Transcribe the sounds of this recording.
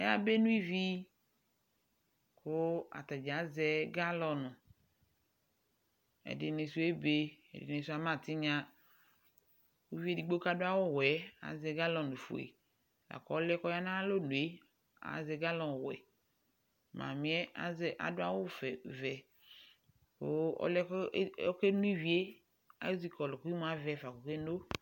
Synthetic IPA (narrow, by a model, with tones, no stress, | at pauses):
ɛ˦a˦be˦nũ˦i˦vi˦ | kʊ˦a̰˨ta˨d͡ʒa˨˦zɛ˦ɡa˦lɔ˨nʊ˨ | ɛ̰˨dɪ˨ne˨su˦e˦be˦ɛ̰˨dɪ̰˨ne˨su˦a˨mã˦˨tɪ˦ɲã˦ | wu˦vi˦e˦˨di˨ɡ͡bo˦ka˦dʊ˦a˦wʊ˦wɛ˨a̰˨˦zɛ˨ɡa˦lɔ˨nʊ̃˨fṵ˨ḛ˨ | la̰˨kɔ˨ɔ˦lɛ˦kɔ˦ja˦nã˦lo˦˨nu˨e˦ | a̰˨zɛ˨ɡa˦lɔ̃˨wɛ̰˨ | mã̰˨mĩ˨˦ɛ˦zɛ˦ʔa̰˨dʊ˦a˦wʊ˦fɛ˨vɛ˨ | o˨˦ɔ̰˦lɛ˦kke˦nu˦i˦vi˦e˦ | a̰˨˦zi˦kɔ˨lɔ˨ku˦i˦mu˨˦a˨vɛ˨fa˨ko˨ke˦no˦